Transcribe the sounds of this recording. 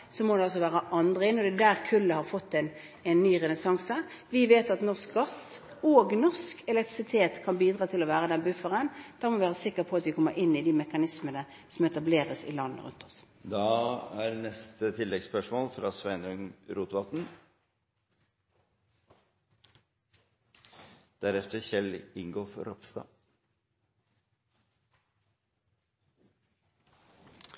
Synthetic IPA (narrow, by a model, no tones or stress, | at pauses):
sɔmɔd̪ɛɑls̬ɔʋæːʁəʔɑnd̪ʁəɪnːɔd̪ɛd̪æːʁkʰʉlːəhɑʁfɔt̪ːɛn | ɛnːyːʁɛnəsɑŋsəʋɪʋeːt̪ɑt̪nɔʁsk̚ɡɑs | oːɡnɔʁskɛlɛk̚t̪ʁɪsɪt̪ʰeːt̪kʰɑnbiːd̪ɾɑːt̪ʰɪlɔʋæːʁəd̪ɛnbʉfəʁənd̪̥ɑːmɔʋɪʋæːʁəsɪkːəʁpʰɔɑt̪ʋɪkʰɔmːəɾɪnːɪd̪imɛkɑnɪsmənə | sɔmɛt̪ɑbleːʁəsɪ̰lɑnːə̰ʁʉ̰nt̪ʰɔ̥s | d̪ɑːæɾnɛst̪ət̪ʰɪlːɛɡspœʂmoːlfɾɑsʋæɪnœŋɾuːt̪ʋɑt̪n̩ | d̪̥æɾɛft̪əçɛlɪŋɡoːfɔɾɔpst̪ɑ̰ː